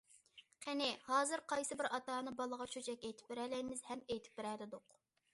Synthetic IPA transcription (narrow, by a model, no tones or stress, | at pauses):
qʰenɪhɑːzɨɾqʰɑjsɨbɪɾɑt̪ɑːnɨbɑlˠəʁɑt͡ʃʰøt͡ʃʰɛkʲejt̪ʰɪ̥p̚bɪɾɛlɛjmɪzhɛmejt̪ʰɪ̥p̚bɪɾɛlɪd̪oq